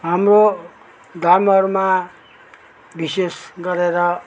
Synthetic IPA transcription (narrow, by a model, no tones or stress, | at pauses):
ɦamro | d̪amʌɾma | bisesɡʌɾeɾʌ